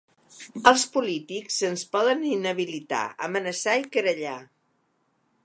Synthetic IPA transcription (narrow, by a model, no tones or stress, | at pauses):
əlˠspulit̪ikzsənspɔðəninəβ̞ilit̪a̰ə̰mənəsaikəɾəʎa